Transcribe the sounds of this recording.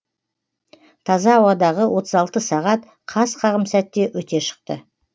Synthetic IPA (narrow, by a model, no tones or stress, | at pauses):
t̪ʰɑzɑːwɑd̪ɑʁəwʔo̞t̪əzɑlˠt̪əsɑʁɑt̪̚ | qʰɑzqʰɑʁəmsæt̪ːe̞wɵt̪e̞ʃə̥q̚t̪ə